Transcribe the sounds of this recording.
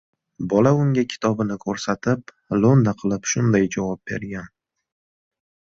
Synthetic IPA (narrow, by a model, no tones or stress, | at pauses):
bɒlaʊŋɡʲakʲʰɪ̥t̪ʰɒbɪnɪkʰoɾsat̪ʰɪp̚ | lˠond̪aqʰɨlˠɪpʃʊnd̪ajd͡ʒavɒp̚be̞̰ɾɡʲan